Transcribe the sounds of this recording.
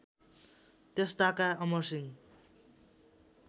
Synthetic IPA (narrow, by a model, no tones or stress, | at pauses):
t̪est̪akaʌmʌrsiŋ